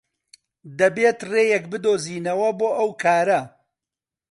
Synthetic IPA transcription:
d̪ɐbeːt̪reːjɛkbɨd̪oːziːnɐwɐboːʔɐwkʰaːɾɐ

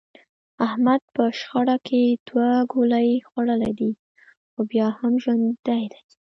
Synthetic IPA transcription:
ahmad̪̚pəʃxaɽakʰed̪̥waɡolajxwaɽəlajd̪i | xobjɑhamʒwand̪d̪ajd̪aj

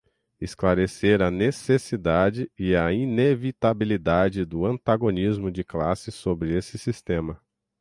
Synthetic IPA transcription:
ɪsklaɾeseɾɐnesesid̪ad͡ʒɪɪɐinevit̪abilid̪ad͡ʒɪd̪ʊɐ̃nt̪aɡonizmʊd͡ʒɪklasɪsobɾɪesɪsist̪ẽmɐ

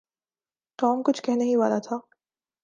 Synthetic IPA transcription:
ʈɔːmkʊt͡ʃʰkɛɦneɦĩʋa̰ːlat̪ʰaː

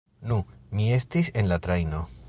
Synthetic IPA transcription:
numie̞stise̞nlatɾajno̞

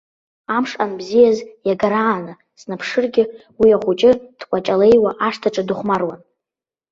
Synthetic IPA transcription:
amʂʼanbzijazjaɡaɾaːnɨ | snapʰʂɨrɡʲɪwiaχʷut͡ʃʼɪd̥kʷʼat͡ʃʼale̞jwaʔaʂtʰaʈ͡ʂʼadʊχʷmarwan

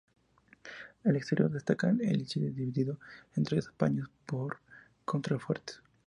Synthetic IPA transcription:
elekst̪eɾjo̞̰ɾd̪est̪akanelt͡ʃid̪eðiβiðiðoent̪ɾese̥spa̰ɲospoɾ | kont̪ɾafeɾt̪

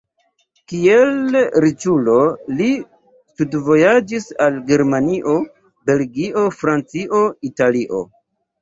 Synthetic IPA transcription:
kielɾit͡ʃulo̞li | studvo̞jad͡ʒisalɡe̞ɾmaniʔo̞ | be̞lɡiʔo̞fɾant͡siʔo̞italiʔo̞̰

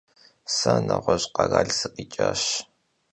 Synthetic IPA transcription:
sɐnɐʁʷɔɕʼqɑɣaːɮsɨqʼit͡ʃʼaːɕ

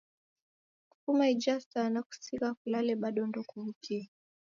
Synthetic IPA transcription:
ku̥pumaid͡ʒastanaku̥sikakulalɛɓaɗɔndɔkuvutʰiɛ

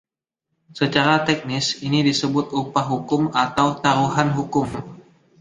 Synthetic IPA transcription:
sət͡ʃaɾat̪ɛk̚nɪsinidisəbʊt̪̚upaɦukʊmat̪awt̪aɾuɦanɦukʊm

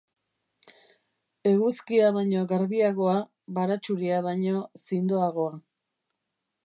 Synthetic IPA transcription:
e̞ɣuskiaβaɲo̞ɣaɾβiaɣo̞a | βaɾat͡ʃuɾiaβajɲo̞sind̪oaɣ̞o̞a

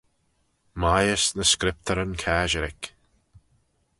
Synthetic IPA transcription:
majəsnəskɾɪp̚t̪ʰəɾənkʰaːʒəɾɪk

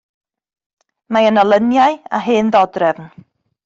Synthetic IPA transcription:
maənəlˠənjaja̰ɦɨːnðɔdrɛvn

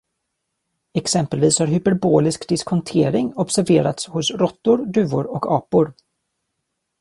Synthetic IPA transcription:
ɛksɛmpəlviːshaɾɦʏpɛɾboːlɪskd̪ɪskʰɔnt̪ʰeːɾɪŋɔbsæɾveːɾa̰t̪shʊsɾɔt̪ːʊɾd̪ʉ̟ːʊɾɔkɑːpʊɾ

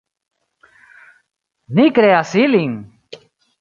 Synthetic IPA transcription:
nikɾeasiliŋ

